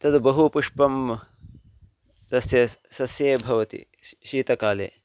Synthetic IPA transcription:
t̪ɐd̪ubɐɦupuʂpɐm | t̪ɐsjɐsɐsjeːbʱɐʋɐt̪ḭ | ʃiːt̪ɐkaːlḛː

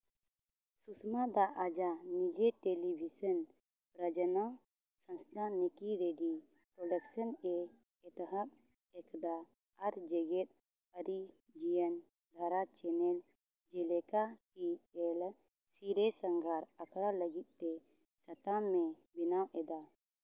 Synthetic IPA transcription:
susmad̪aʔad͡ʒanid͡ʒɛʈelibʱisən | pɾəd͡ʒənaw | sənst̪ʰanikiɾeɖi | pɾɔɖəksənɛ | ɛt̪ɦak̚ | ɛkd̪aː | ɾd͡ʒɛɡɛt̪̚ | əɾi | d͡ʒijən | d̪ʱaɾat͡ʃɛnɛl | d͡ʒɛlɛkaʈiɛl | siɾɛsəŋɡʱaɾəkʰɽaləɡit̪̚ˀt̪ɛ | sət̪amːɛ | binawʔɛd̪a

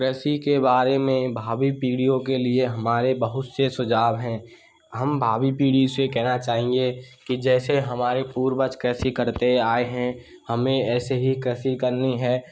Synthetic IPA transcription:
kɾɛːsikebaːɾemẽbʱaːbipiːɽijõkelieɦɐmaːɾebəɦʊt̪sesʊd͡ʒaːbɦɛ̃ː | ɦɐmbʱaːbipiːɽisekɛɦnat͡ʃaːɦẽŋɡekid͡ʒɛːseɦɐmaːɾepuːɾbət͡ʃkɾɛːsikɐɾt̪eaːeɦɛ̃ | hɐmẽɛːseɦikɾɛːsikɐɾniɦɛː

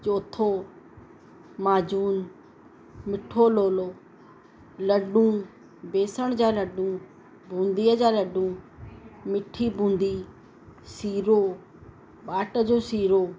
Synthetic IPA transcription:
t͡ʃoːt̪ʰoː | maːd͡ʑuːn | mɪʈʰoːloːloː | ləɖũː | beːsəɽ̃d͡ʑaːləɖũː | bʱũːnd̪iːəd͡ʑaːləɖũː | mɪʈʰːiːbʱũːnd̪iː | siːɾoː | ɓaːʈəd͡ʑoːsiːɾoː

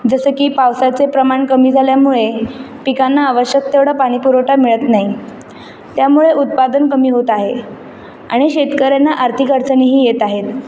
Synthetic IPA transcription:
d͡zəsəkiːpawsat͡sepɾəmaɳkəmiːd͡zʱaljamuɭepikanːaːʋəɕjək̚t̪eʋɽapaɽ̃ipuɾoʈamiɭət̪naɦi | t̪jamuɭeʔut̪̚pad̪ənkəmiːɦot̪aɦe | a̰ɽ̃iɕet̪kəɾjanːaʔaɾt̪ʰikəɾt͡səniɦiːjet̪aɦet̪

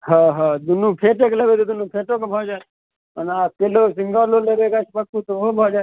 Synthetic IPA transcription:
ɦaɦãd̪ʊnũːpʰeːʈekləʋet̪od̪ʊnũpʰeːʈokebʱaːd͡ʒa | ənaːkeloːsɪŋɡaːloːleɾeːkat͡ʃʰpəkːut̪oobʱaːd͡ʒa

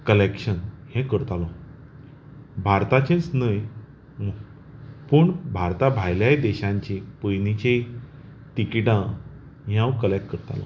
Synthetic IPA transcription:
kəlekɕənhɛ̃kəɾt̪alɔ̃ | bʱaɾt̪at͡ɕẽt͡snəj | pəːɳbʱaɾt̪abʱajljajd̪ɛɕãɲt͡ɕĩpəjnit͡ɕe | t̪ikiʈã | ɦjãwkəlekʈkəɾt̪a̰lɔ̰

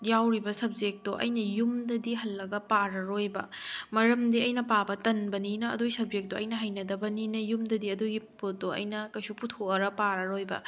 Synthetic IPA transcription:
jawɾibɐsɐb̚d͡ʒek̚toʔɐ̰jnɐjumdɐdiɦɐlːɐɡɐpaɾɐɾojbɐ̰mɐɾɐmdiɐjnɐpabɐtɐnbɐninɐɐ̰dojsɐb̚zek̚doʔɐ̰jnɐɦɐjnɐdɐbɐninɐjumdɐdiɐdoɡipot̚doʔɐ̰jnɐkɐjsuputʰoɐɾɐpaɾɐɾojbɐ̰

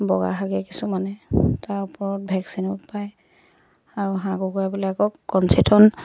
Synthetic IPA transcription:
bɔɡa̰ɦaɡɛkisumanɛtaɹʊpɔɹɔt̚bʱɛksinʊtpaj | aɹuɦãkukɔjabilakɔkːɔnsitʰɔn

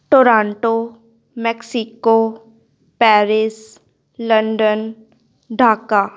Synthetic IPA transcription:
ʈoːɾãːɳʈo | mɛksiko | pɛːɾɪs | lə̃ɳɖən | ɖʱaːka

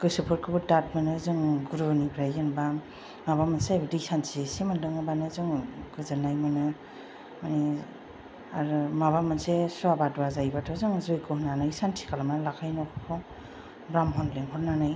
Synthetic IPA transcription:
kɯjsɯpʰɯɾkʰɯbɯdat̚manɯzɔŋɡuɾunibɾajɯnba | mabamanseajbadisantʰiesemandɯŋɯbanɯzɔŋɡɯzɯnajmanɯ | mani | aɾmabamansesɔabadɔazajbatʰɔzɔŋzojkʰɯhnanajsantʰi̥kʰalamanlakʰajnɔkʰɔkʰɔ | bɾamɦɔnleŋɦɔnanaj

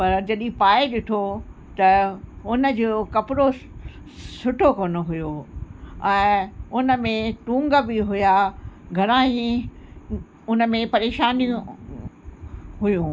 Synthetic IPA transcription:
pɐɾd͡ʑɐɗĩpaːeɗɪt̪ʰo | t̪ɐʊnə̆d͡ʑoːkɐpɪɾo | sʊʈʰokoːnoɦʊjo | ɛ̃ːʊnə̆mẽʈũːŋɡəbɪɦʊjaɡʱɐɾãĩ | ʊnə̆mẽpɐɾeːʃaːnijũ | ɦʊjũ

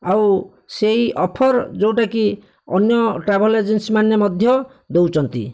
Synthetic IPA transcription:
aw | seɦiʔɔpʰɔɾd͡ʒewʈaki | ɔnjɔʈɾabɔled͡ʒensimanjɔmɔd̪ʱjɔ | d̪ewt͡ʃʰɔnt̪ḭ

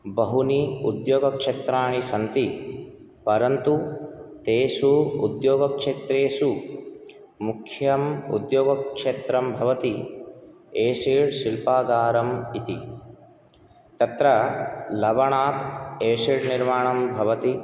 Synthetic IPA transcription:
bɐɦuniud̪joːɡɐkʂet̪ɾaːɳisɐnt̪i | pɐɾɐnt̪ut̪eːsuud̪joːɡɐkʂeːt̪ɾeːsu | mukʰjɐmṵd̪joːɡɐkʂeːt̪ɾɐmbʱɐʋɐt̪i | eːʃiɽsilpaːɡaːɾɐmit̪i | t̪ɐt̪ɾɐlɐʋɐɳaːt̪eːʂiːɽniɾmaːɳɐmbʱɐʋɐt̪i

